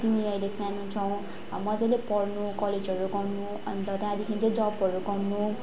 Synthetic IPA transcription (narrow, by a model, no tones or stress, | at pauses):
t̪iniʌjlesanut͡sʰʌw̃ | mʌd͡zʌjlepʌrnukʌled͡zʌɾuɡʌrnu | ʌ̰nd̪ʌt̪ajd̪ikʰind͡zʌd͡zʌbʌɾukʌrnu